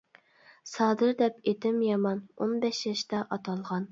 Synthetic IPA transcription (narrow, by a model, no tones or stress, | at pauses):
sɑːd̪ɨɾd̪ɛpet̪ʰɪmjɑmɑno̰nbɛʃjɑʃt̪ɑʔɑt̪ʰɑlˠʁɑn